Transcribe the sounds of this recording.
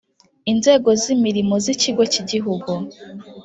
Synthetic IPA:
inze̞ːɡo̞zimiɾimo̞ziciɡo̞ciɟiɦuɡu

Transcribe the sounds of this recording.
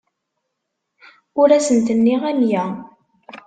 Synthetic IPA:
ʊɾæsənt̪ənːiʁænjæ

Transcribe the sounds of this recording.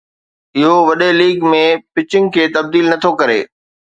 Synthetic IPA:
ɪɦoʋɐɗeliːɡmẽpɪt͡ɕɪ̃ŋɡkʰeːt̪ɐb̚d̪iːlnɐt̪ʰokɐɾḛː

